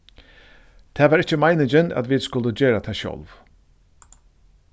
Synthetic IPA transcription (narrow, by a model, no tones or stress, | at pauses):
t̪ʰɛːʋɑːɾɪt͡ʃːəmaɪnɪd͡ʒəna̰t̪ʋiːd̪skʊld̪əd͡ʒeːɾat̪ʰɛːʃœ̰lv